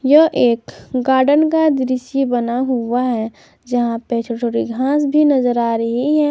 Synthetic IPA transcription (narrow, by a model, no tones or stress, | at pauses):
jəʔeːkɡaːɾɖənkad̪ɪɾɪʃjebənaɦʊaɦɛ | d͡ʒɐɦãpet͡ʃʰoʈʰoːʈiɡʱãːsbʱinəzəɾaːɾəɦiɦɛː